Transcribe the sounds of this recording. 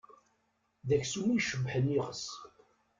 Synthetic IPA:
ðæçsumijʃəbːħənːiʁəs

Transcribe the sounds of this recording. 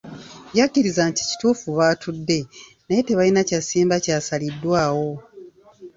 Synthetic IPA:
jakːiɾizanti̥ci̥tuːfuβaːtʰudːe̞ | naje̞te̞βalinacasiːmbacaːsalidːwaːwo̞

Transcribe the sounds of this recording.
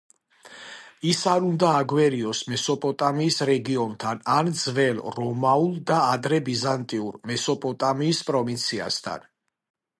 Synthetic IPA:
isaɾund̪aːɡwɛɾiɔsmɛsɔpʼɔt̪ʼamiːsɾɛɡiɔnt̪ʰanand̪zvɛlɾɔmaulˠd̪aːd̪ɾɛbizant̪ʼiuɾmɛsɔpʼɔt̪ʼamiːspʼɾɔvint̪sʰia̰st̪ʰa̰n

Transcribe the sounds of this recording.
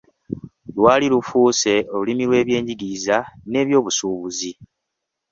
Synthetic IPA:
lwaːlilufuːse̞o̞lulimilwe̞ːβje̞ːɲɟiɡiːzane̞ːβjo̞ːβusuːβuzi

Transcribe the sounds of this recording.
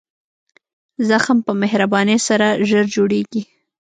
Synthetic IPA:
zaxmpəmeɦɾabɑnesaɾaʒəɾd͡ʒoɽeɡi

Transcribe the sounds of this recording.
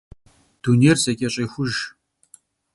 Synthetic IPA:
d̥uneːrzɐkʲʼɛɕʼejxʷʊʒ

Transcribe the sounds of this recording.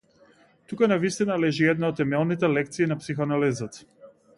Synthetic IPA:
t̪ukanavist̪inalɛʒiɛd̪naɔt̪ːɛmɛlˠnit̪̬ɛlɛk̚t̪siːnapsixɔanalizat̪

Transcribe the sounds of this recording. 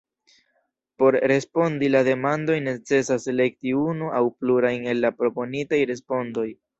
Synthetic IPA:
po̞ɾɾe̞spo̞ndilade̞mando̞jne̞t͡se̞sasele̞k̚tiunuʔawpluɾajne̞lːapɾo̞po̞nitajɾe̞spo̞ndo̞j

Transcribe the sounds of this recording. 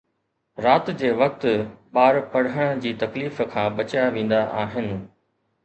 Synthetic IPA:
ɾaːt̪d͡ʑeːʋɐk̚t̪ɓaːɾpɐɽ̤əɽ̃d͡ʑiːt̪ɐkliːfkʰãːɓɐt͡ɕjaʋẽːn̆d̪aʔaːɦɪnɪ̆

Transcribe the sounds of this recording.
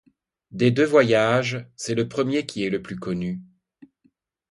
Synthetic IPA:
d̪ed̪øvwajaʒsɛləpχəmjekʲiɛləplykɔny

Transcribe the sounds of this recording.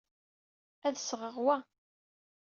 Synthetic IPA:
æðsʁəʁwæ

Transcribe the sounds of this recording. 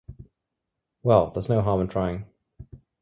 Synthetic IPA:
wɛlˠðə˞znoʊɦɑɹmə̃ntʰɹ̥aɪɪ̃ŋ

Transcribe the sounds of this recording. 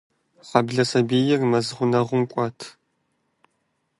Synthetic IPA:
χɐbɮɐsɐbiːjɪrmɐzʁʷʊnɐʁʷʊmkʷʼɑːtʰ

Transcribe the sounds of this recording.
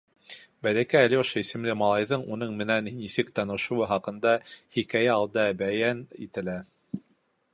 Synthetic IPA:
bælækæːlioʃɑisɘ̆mlɘmɑlˠɑjðɤɴun̪ɤɴmɘ̆nænisɘkt̪ɑnɤ̆ʃŏwɤɦɑqɤ̆nd̪ɑhikæjæɑlˠd̪ɑbæjænit̪ɘ̆læ

